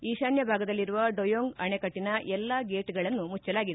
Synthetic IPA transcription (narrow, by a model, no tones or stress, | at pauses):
iːʃaːnjɐbʱaːɡɐd̪ɐlːiɾuʋɐɖojoːŋɡɐɳekɐʈːinɐʔɛlːɐɡe̞ːʈɡɐɭɐnːumut͡ʃːɐlaːɡid̪e